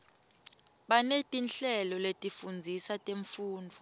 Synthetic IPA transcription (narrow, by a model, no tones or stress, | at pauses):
ɓanetʼinɬɛlɔletʼifund͡zʱisatʼeɱfuːndʱɔ